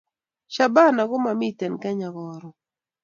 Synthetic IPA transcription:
ʃa˨ba˦na˨ɡɔ˦ma˨mi˦tɛ˨nkɛ˦ɲa˨ɡɔ˨ɾɔ˨

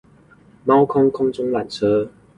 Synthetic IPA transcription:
mɑ˦ʊkʰʊ˥ŋkʰʊ˥ŋt͡sʊ˦ŋla˨˩nt͡sʰɤ˦

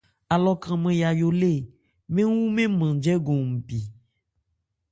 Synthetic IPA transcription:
a˨lɔ˦kã˨mẽ˨ja˨jo˨le˦˨ | mẽ˦wu˦mẽ˦mã˨d͡ʒɛ˦ɡo˨m̩˨pi˨

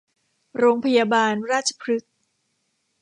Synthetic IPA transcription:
ɾoː˧ŋpʰa˧jaː˧baː˧nɾaː˥˩t̪̚t͡ɕʰḁ˧pʰɾɯ˦˥k̚

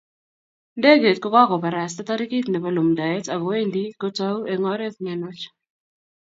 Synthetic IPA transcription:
ndɛ˦ɡe˨t̚kɔ˦ka˦kɔ˨pa˨ɾa˨st̪a˦ta˦ɾi˦ki˦t̪ne˨ba˦lu˨mda˨ɛ˦ta˨ɡɔ˨˦e˦ndi˦ko˦ta˦we˨ŋɔ˦ɾɛ˦tnɛ˨nɔ˦t͡ʃ

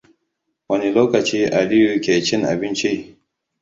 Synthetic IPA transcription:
wɐ˦ne˦loː˦kɐ˨t͡ʃiː˦ʔa˨li˦ju˨kʲeː˨t͡ʃɪ˦ŋʔa̰˨bɪ˦nt͡ʃi˦

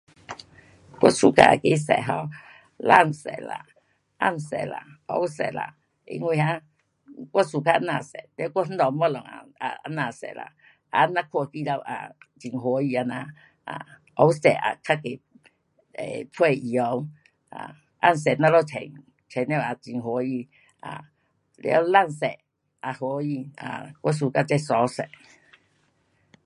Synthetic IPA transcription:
kɔ˦su˦ka̰˧a̰˧˨ke˦sɛ̰˨ɦɔ˦ | la̰˧˨nsɛ̰˨la̰˨ | ʔa˧˩˨nsɛ˨la̰˨ɔ˨˧˦wsɛ̰˨la̰˨ | ḭ˧˦ŋwi˧˨ɦa˦ | kʷɔ˦su˨kʰa˦˧˦nã˧˨sɛ˨t̪ɛ˧˦kɔ˦n̩˦dɔ˨˦bɔ˦˨lɔ˨ŋa̰˧˨a˧a̰˧na˧˨sɛ̰˨la̰˨ | ʔa˨˦na˦kʰɔ˧ki˦la˧wa̰˧˨t͡ɕi˨ŋɦo˨˦i˧a˧na˧ | a̰˧˨ | ɔ˧˦wsɛ˨a̰˨kʰa˦ke˨ | e˨pʰwe˧˨i˨ɔ˧˦w | a̰˨ | ʔa̰˧˨n˨s̬ɛ˨na˧lo˦˧˨t͡ʃʰḛ˨˦ŋ | t͡ɕʰe˨˦n˧a˧˨a˨t͡ʃi˨ŋɦo˨˦ji˧ | a̰˨ | lɛ̰˧ɔ˦wla˦˧˨ŋsɛ˨ | a˨ho˨˦ji˧a̰˨kʷɔ˦s̬u˨ka˧˦t͡sɛ˧sɔ˨˦sɛ˨ʔ

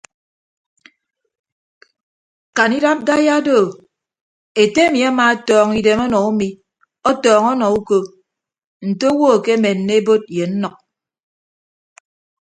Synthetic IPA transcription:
ka˨ni˦da˦p̚ɡa˦ja˦do˦˨ | e˨te˦e˦mi˨a˦maː˦tɔː˨ŋi˦˨de˨mɔ˦nɔ˨u˦mi˦ | ɔ˦tɔː˨ŋɔ˦nɔ˨u˦ko˦ | n̩˨to˦wo˦˨ke˦me˨nːe˦e˦bo˦t̚je˨n̩˦nɔ˨k̚

